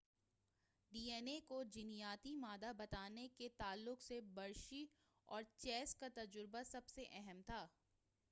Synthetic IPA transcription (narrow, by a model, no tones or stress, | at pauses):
ɖiːeːnekod͡ʒɪnijaːt̪imaːd̪abɐt̪aːneket̪aːlːʊqsebɐɾʃi | ɔːɾt͡ʃɛːskat̪ɐd͡ʒʊɾbasɐbseʔɛɦɛmt̪ʰaː